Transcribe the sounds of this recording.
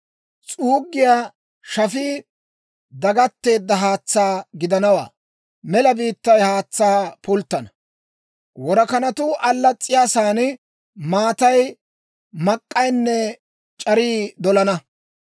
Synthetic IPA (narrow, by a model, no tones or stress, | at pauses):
t͡sʼuːɡːɪjaː | ʃɐfiː | d̪ɐɡɐt̪ːe̞ːd̪ːɐɦaːt͡sːaːɡɪd̪ɐnɐwa̰ː | mɛlɐbiːt̪ːɐjhaːt͡sːaːpʊlt̪ːɐnɐ | wɔɾɐkɐnɐt̪ʊʔɐlːɐt͡sʼːɪjaːsaːnɪ | maːt̪ɐj | mɐkʼːɐjnːɛ | t͡ʃʼɐɾiːd̪ɔlɐnɐ